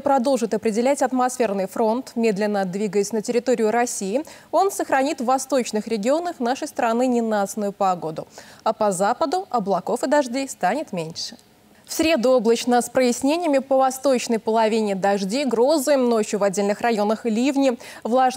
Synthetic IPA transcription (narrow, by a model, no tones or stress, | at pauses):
pɾɐd̪o̞lˠʐɨt̪ɐpɾʲɪdʲɪlʲætʲɐt̪mɐsfʲe̞rnɨjfɾo̞nt̪mʲe̞d̪lʲɪnːəd̪vʲiɡəjɪsʲnətʲɪɾʲɪt̪oɾʲɪʊɾɐsʲijɪ | o̞nsəxɾɐnʲit̪vːɐst̪o̞t͡ɕnɨxɾʲɪɡʲɪo̞nəxn̪aʂəjst̪ɾɐnɨnʲɪnat̪snʊjʊpɐɡo̞d̪ʊɐpɐzapəd̪ʊʔɐblˠɐko̞fɨd̪ɐʐdʲejst̪anʲɪt̪mʲenʲʂɨ̥ | fsʲɾʲe̞d̪ʊo̞blˠət͡ɕnəspɾəjɪsʲnʲenʲɪjəmʲɪpəvɐst̪o̞t͡ɕnəjpəlˠɐvʲinʲɪd̪ɐʐdʲejɡɾo̞zɨjmno̞t͡ɕjʊvɐdʲːelʲnɨxrɐjo̞nəxlʲivnʲɪ | vlˠaʐ